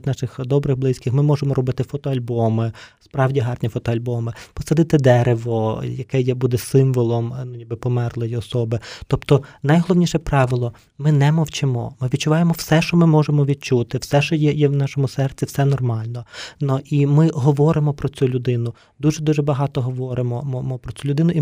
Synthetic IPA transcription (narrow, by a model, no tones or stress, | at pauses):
t̪ʲnɑʃɪxd̪ɔbɾɪɣblˠɪsʲkɪxmɪmɔʒemɔɾɔbɪt̪ɪfɔt̪ɔɐlʲbɔmɪspɾɑwdʲiɦɑrnʲifɔt̪ɔɐlʲbɔmɪpɔsɐd̪ɪt̪ɪd̪ɛɾeʋɔjɐkɛjɛbud̪ɛsɪmʋɔlˠɔmnʊnʲibɪpɔmɛrlˠɔjiɔsɔbɪt̪ɔpt̪ɔnɐjɦɔlˠɔwnʲiʃɛpɾɑʋɪlˠɔ | mɪnɛmɔwt͡ʃɪmɔ̰mɪʋʲd̚t͡ʃːʊʋɑjemɔwsɛʃɔmɪmɔʒemɔʋʲid̪̚t͡ʃut̪ɪwsɛʃɔjɛjɛwnɑʃɔmʊsɛrt͡sʲiwsɛnɔrmɑlʲnɔnɔʔimɪɦɔʋɔɾɪmɔpɾɔt͡sʲulʲʊd̪ɪnʊ | d̪uʒɛd̪uʒɛbɐɦɑt̪ɔɦɔʋɔɾemɔmɔmɔpɾɔt͡sʲulʲʊd̪ɪnʊi